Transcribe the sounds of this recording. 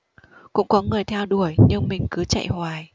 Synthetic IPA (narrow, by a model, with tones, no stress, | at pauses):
kʊ̰˧˥ŋ͡mkɔ˨˦ŋɨ˨˩əjt̪ʰɛ˧wɗu˧˩əjɲɨ˧ŋmï˨˩ŋ̟kɨ˨˦t͡ɕa̰˧˨jhwaː˨˩j